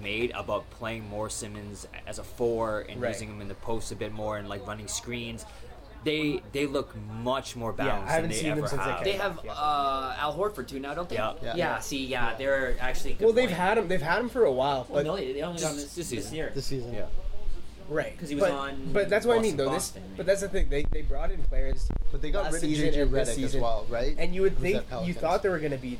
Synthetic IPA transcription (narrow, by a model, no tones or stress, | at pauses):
meɪɾə̰baʊt̚pʰl̥eɪɪ̃ŋmɔɹsɪ̃mɨ̃nzɨzəfɔɹɨ̰̃nnɹaʉzɪ̃ŋɨ̃mɨ̃nðɨpʰoʊstɨbɪt̚mɔɹɨ̃nlaɪkɹʌ̃nɪ̃ŋskɹĩnz̥ | ðeɪðeɪlʊkmʌt͡ʃmɔɹbæjæ̰kaɪhævɨn̩ðesɪĩɛə˞ə̰ðeɪəvʌæ̰lˠɦɔɹdfə˞d̚tʰʉnaʊaɪɾõʊ̃nt̪jɛjjæsijæðə˞æk̚t͡ʃʉl̩ˠiwɛlˠðeɪv̥əɾɨ̃mðeɪv̥əɾ̚ə̃ɱfə˞əwaɪlˠb̥ʌnoʊðeɪðeɪõʊ̃nliɑn̩siɪnɪɹðɨsizɨ̃njæ̰ | ɹaɪt̚kʰʌz̥iwʌb̥ʌn̩b̥ʌt̪̚ðætswʌɾaɪmĩnðoʊðɪs | b̥ʌt̪̚ðætsɨθɪ̃ŋðeɪðeɪbɹɔɾɨ̃nkʰl̥ɛɹz̥b̥ʌt̪̚ðeɪɡɑt̚ɹɪə̃ɹɪsizɨ̃nwaɪlˠɹaɪt̚ɨ̃njɨwɨd̪̚θθɪ̃ɪkɛjɨθɔt̪̚ðə˞wə˞ɡʌnɨbi